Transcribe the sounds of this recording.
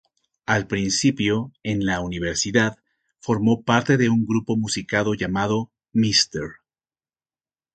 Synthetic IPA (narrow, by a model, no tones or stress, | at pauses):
alpɾinsipjo̞e̞nlauniβ̞e̞ɾsiðað | fo̞ɾmo̞paɾt̪e̞ðe̞uŋɡɾupo̞musikaðo̞ʝamað̞o̞ | mist̪eɾ